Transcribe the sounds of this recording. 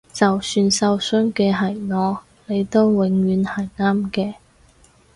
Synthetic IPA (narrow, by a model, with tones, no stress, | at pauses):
t͡sɐ˨wsyː˧nsɐ˧wsɵː˥ŋkɛː˧ɦɐ˨˩jŋɔː˨˧ | le˨˧jt̪o˥wwɪ˨˧ŋɥyː˨˧nhɐ˨˩jŋaː˥mkɛː˧